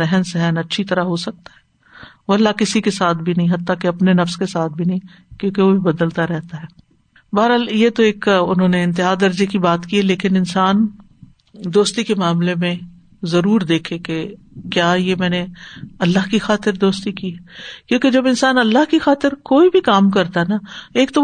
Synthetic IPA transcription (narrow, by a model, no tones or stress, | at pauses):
ɛɦnsɛɦɛnɐtːʃʰit̪ɐɾaɦosɐk̚t̪aɦɛː | oɐlːakɪsikesaːt̪̚ʰbʱinɐɦĩɦɐt̪ːakeɐpnenɐfskesaːt̪̚ʰbʱinɐɦĩ | kjõːkeʋobʱibɐd̪əlt̪aɾɛɦt̪aɦɛː | baːɾaːljet̪oeːkʊnɦõːneɪ̃nt̪̬ɪɦaːd̪ɐɾd͡ʒekibaːt̪kiɛleːkɪnɪnsaːn | d̪oːst̪ikemaːmlemẽ | zɐɾuːɾd̪eːkʰeke | kjaːjemɛ̃ːneɐlːaɦkixaːt̪ɪɾd̪oːst̪ikiɦɛːkjõːked͡ʒɐbɪnsaːnɐlːaɦkixaːt̪ɪɾkoːibʱikaːmkɐɾt̪aɦɛnaeːk̚t̪o